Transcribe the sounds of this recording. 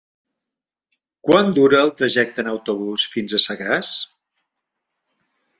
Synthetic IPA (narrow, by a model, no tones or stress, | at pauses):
kwand̪uɾəːlˠt̪ɾəʒɛk̚t̪ənəwt̪uβ̞usfinzəsəɣas